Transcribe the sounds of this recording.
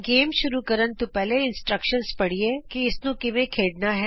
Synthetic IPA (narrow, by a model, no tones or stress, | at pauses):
ɡeːmʃʊɾukɐɾənt̪ũpɛːleɪ̃nsʈɾəkʃənspɐɽ̤iekiɪsnũkɪʋẽkʰeːɽnaɦɛː